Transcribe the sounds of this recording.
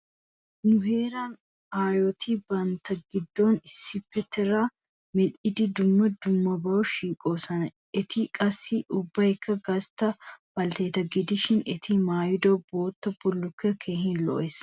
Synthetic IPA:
nʊɦeːɾaːn | aːjot̪ʰiːbɐnt̪ɐɡɪd̪ːoːnɪsɪpːɛt̪ɛɾaː | mɛᶑɪd̪ɪd̪ʊmːɐd̪ʊmːɐbɐʔʊʃiːkʼoːsɐnɐ | ɪt̪ʰiːkʼɐsiʔʊbːɐɛkʰːɐɡɐst̪ɐbɐlt̪eːt̪ɐɡɪd̪ɪʃɪnɪt̪ʰiːmaːjʊd̪oboːt̪ːɐb̥ʊlːʊkːekʰeːhɪnlo̰ːʔɛs

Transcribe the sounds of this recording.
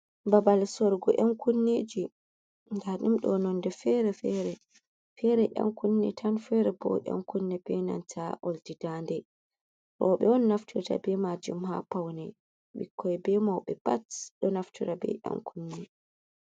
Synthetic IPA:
babalsɔɾɡɔ̰ʔankunːid͡ʒi | ɡaɗimɗɔnɔndɛfɛɾɛfɛɾɛ | fɛɾɛʔa̰ŋkunːɛtʰanfɛɾɛbɔ̰ʔa̰nkunːɛbɛna̰ntʰaʔɔldidandɛ | ɾɔɓɛwɔnːaftuɾta̰bɛmad͡ʒumhapawnɛ | ɓḭkʰːɔɛbɛmawɓɛpatɗɔnaftuɾabɛ̰ʔa̰ŋkʰunːi

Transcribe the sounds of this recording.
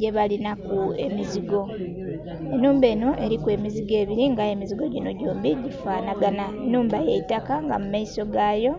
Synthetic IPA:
ɟe̞βalinakue̞̰miziɡo̞ | e̞nuːmbe̞ːno̞ʔe̞ɾikwe̞ːmiziɡe̞ːβiɾiŋɡae̞miziɡo̞ɟino̞ɟoːmbiɟifaːnaɡananːuːmbajeitakaŋɡa̰mumaiso̞ɡajo̞

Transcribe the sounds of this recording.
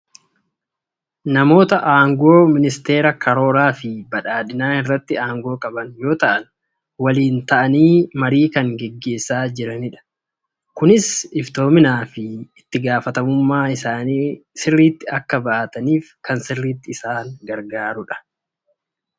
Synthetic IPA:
nɐmo̞ːt̪ɐʔaːŋɡo̞ːmɪnɪst̪e̞ːɾɐkʰɐɾo̞ːɾaːfɪbɐᶑaːᶑɪnaːnɪrːɐt̪ːɪaːŋɡo̞ːkʼɐbɐnjo̞ːt̪ɐʔɐn | wɐliːnt̪ɐʔɐniːmɐɾiːkɐŋɡɛɡːe̞ːsːaːd͡ʒɪɾɐnɪᶑɐ̥ | kʊnɪsɪft̪o̞ːmɪnaːfɪː | t̪ːɪɡaːfɐt̪ɐmʊmːaːɪsaːniːsɪrːiːt̪ːɪɐkːɐbɐʔɐt̪ɐniːfkɐnsɪrːiːt̪ːɪːsaːŋɡɐɾɡaːɾʊᶑɐ̥

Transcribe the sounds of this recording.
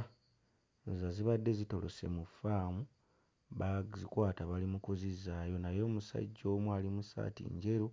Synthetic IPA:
zaziβadːe̞zito̞lose̞̰mufaːmu | βazikwaːtaβalimukuzizaːjo̞najo̞ːmusa̰ɟːo̞ːmwaːlimusa̰ːtḭɲɟe̞ɾu

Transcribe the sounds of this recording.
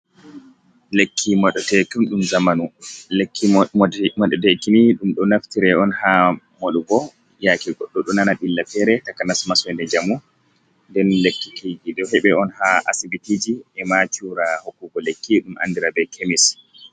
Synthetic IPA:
lekʰːimɔɗɔtɛkunɗumzamanulekʰːimɔɗɔdɛkiniɗumɗɔnaftiɾɛɔnha | moɗuɡɔ | jakiɡɔɗːɔɗɔnanaɓilːafɛɾɛtakanasmaswɛndɛd͡ʒamu | ndɛnlekːikʰiɡiɗɔhɛɓɛɔnhaa̰sibitid͡ʒiɛmat͡ʃuɾahokːuɡɔlekːiɗumʔa̰ndiɾabɛkʰemis

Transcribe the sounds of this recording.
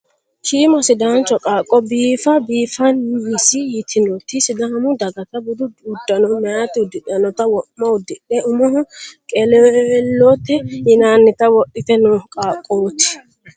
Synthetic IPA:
kiːmɐsɪd̪aːnt͡ʃɔkʼaːkʼːɔbiːfɐbiːfɐnɪsɪjɪt̪ʰɪnɔt̪ːɪsɪd̪aːmʊd̪ɐɡɐt̪ɐbʊd̪ʊʊd̪ːɐnɔmɛjaːt̪ːɪʊd̪ɪɗɐnɔt̪ɐwɔmːɐʊd̪ːɪᶑɛʔʊmɔhʊkʼɛlɛlːɔt̪ːɛjɪnaːnːɪt̪ɐwɔʔːɪt̪ɛnɔkʼaːkʼːoːt̪ɪ̥

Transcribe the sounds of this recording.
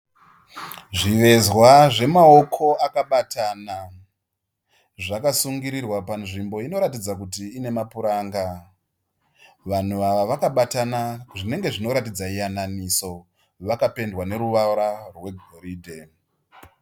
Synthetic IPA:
ʐiʋe̞zwaʐe̞mao̞kʰo̞akaɓatʰana | ʐakasuŋɡiɾirwapanʐimbo̞ino̞ɾatid͡zakutiːne̞mapuɾaːŋɡa | ʋan̤uʋaʋaʋakaɓatanaʐine̞ŋɡe̞ʐino̞ɾatid͡zaijananiso̞ | ʋakape̞ndwane̞ɾuʋaɾarwe̞ɡʱoɾiːdʱe̞

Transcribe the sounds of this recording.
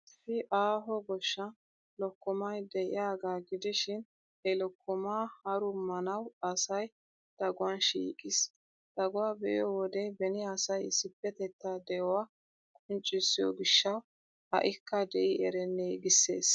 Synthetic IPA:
fɪʔaːɦɔɡɔʃːɐ | lɔkːɔmɐjd̪ɛʔɪ̰jaːɡaːɡɪd̪ɪʃɪn | hɛlɔkːɔmaːhɐɾʊmɐnɐwɐsɐj | d̪̥ɐɡʊwanʃḭːkʼɪs | d̪̥ɐɡʊwaːbɛjɔwɔd̪ɛbɛnɪɐsɐjɪsɪpːɛt̪ɛt̪ːad̪ɛjɔwaː | kʼʊnt͡ʃʼːɪsːɪjɔ̰ɡɪʃːɐw | hɐ̰ʔɪkːɐd̪ɛʔɪɛɾɛnːɛɡɪsːḛːs

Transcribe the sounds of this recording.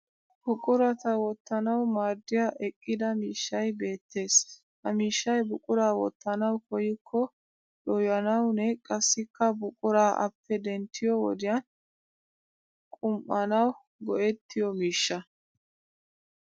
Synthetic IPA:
b̥ʊkʼʊɾɐt̪ɐwɔt̪ːɐnɐwmaːɾd̪ːɪjaʔɛkʼːɪd̪ɐmiːʃːɐjbe̞ːt̪ːe̞ːs | hɐmiːʃːɐjbʊkʼʊɾaːwɔt̪ːɐnɐwkʰɔjɪkʰːɔ | ɗɔjɐnɐwnɛkʼɐsːɪkːɐbʊkʼʊɾaːʔɐ̰pːɛd̪ɛnt̪ʰːɪjɔwɔ̰d̪ɪjɐn | kʼʊmʔɐnɐw | ɡɔʔɛt̪ʰːɪjɔmiːʃːɐ

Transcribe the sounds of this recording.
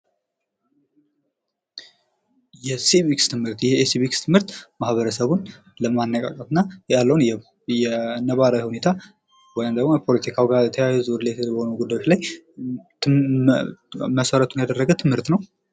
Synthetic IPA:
jɛsimikst̪ʰɨmhɨɾt̪jɛesiβikst̪ʰɨmhɨɾt̪mahβəɾəsəβun | ləmanːəkʼa̰kʼət̪ɨnːajalːəwunjɛ | jɛnəβaɾawihune̞t̪ʰa | wɔjɪmd̪əɡmojɛpʰo̞lət̪ʰikʰawiɡaət̪ʰəjajzɾlebəhonuɡud̪ajot͡ʃlaj | məsəɾət̪ʰunjad̪ərːəɡəwt̪ʰɨmhɨɾt̪nəw

